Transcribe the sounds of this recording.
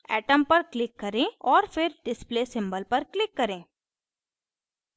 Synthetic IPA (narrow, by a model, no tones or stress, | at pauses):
ɛːʈəmpɐɾklɪkːɐɾẽːɔːɾfʰɪɾɖɪspleːsɪ̃mbəlpɐɾklɪkːɐɾẽː